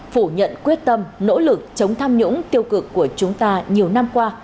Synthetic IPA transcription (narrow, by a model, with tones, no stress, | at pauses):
fu˧˩ɲə̰˧˨nkwi˦˥ət̚t̪ə˧mno̰˧˥lɨ˨˩k̚t͡ɕə˨˦wŋ͡mt̪ʰaː˧mɲʊ̰˧˥ŋ͡mt̪i˧əwkɨ˨˩kːu˧˩ət͡ɕʊ˨˦ŋ͡mt̪aː˧ɲi˨˩əwna˧mkwaː˧